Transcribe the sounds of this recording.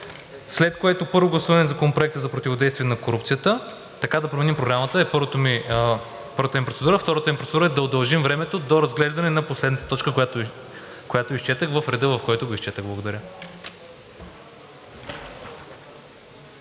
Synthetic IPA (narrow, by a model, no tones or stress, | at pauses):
slɛt̪koɛt̪opɤɾvoɡlˠɐsuvɐnɛzɐkonɐpɾoʊɛk̚t̪əzɐpɾot̪ivod̪ɛjst̪viɛnɐkoɾup̚t̪sijət̪ə | t̪ɐkad̪ɐpɾomɛnimpɾoɡɾamət̪əɛpɾt̪omi | pɤɾvət̪əmipɾot̪sɛd̪uɾəft̪ɔɾət̪əmipɾot̪ɛd̪uɾəɛd̪ɐod̪ɐlˠʒimvɾɛmɛt̪od̪oɾɐzɡlɛʒd̪ɐnɛnɐposlɛd̪nət̪ət̪ɔt͡ʃkəkjat̪ | kojat̪oist͡ʃɛt̪əxvɐfɾɛd̪əvɐfkɔɛt̪ʊɡoisʃt͡ʃɛt̪əɣblˠɡod̪ɐɾʲə